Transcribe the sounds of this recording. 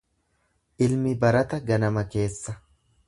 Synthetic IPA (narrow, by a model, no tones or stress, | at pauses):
ʔɪlmɪbɐɾɐt̪ɐɡɐnɐmɐke̞ːsːɐ